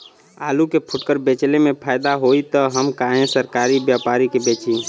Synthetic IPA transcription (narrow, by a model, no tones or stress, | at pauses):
alukepʰuʈkəɾbet͡ʃlemẽpʰaɪd̪aɦoit̪əɦəmkaɦẽsəɾkaɾibjapaɾikebet͡ʃi